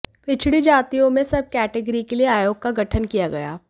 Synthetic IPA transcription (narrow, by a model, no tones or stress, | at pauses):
pɪt͡ʃʰɽid͡ʒaːt̪ijõmẽsɐb̚kɛːʈeɡəɾikelieaːjoːɡ̚kaɡɐʈʰənkijaɡɐja̰ː